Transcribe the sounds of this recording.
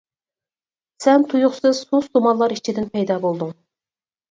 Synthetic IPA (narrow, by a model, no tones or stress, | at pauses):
sɛnt̪ʰujʊχsɨz̥sost̪omɑnlˠɑɾit͡ʃʰid̪ɪnpʰɛjd̪ɑːbolˠd̪ʊŋ